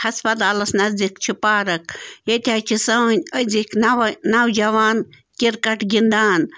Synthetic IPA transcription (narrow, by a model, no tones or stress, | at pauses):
hɐspɐt̪aːlɐsnɐzd̪ik̚t͡ʃʰipaːɾɐk̚jet̪ʲaːt͡ʃʰisɐnʲəziknnawd͡ʒɐwaːn | kiɾkɐʈɡʲind̪aːn